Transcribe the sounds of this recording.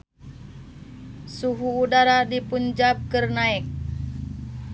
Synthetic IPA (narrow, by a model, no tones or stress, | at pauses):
suɦuːdaɾadipund͡ʒap̚kərnaik̚